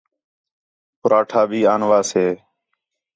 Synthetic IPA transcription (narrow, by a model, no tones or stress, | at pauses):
pʊɾaːʈʰaːbʱiːaːnʋaːseː